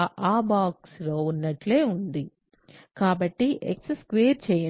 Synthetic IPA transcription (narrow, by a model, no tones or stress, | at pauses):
ʔaːbaːksloːunːɐʈleːund̪i | kaːbɐʈːiʔḛksskʋeːɾt͡ʃɛːjɐ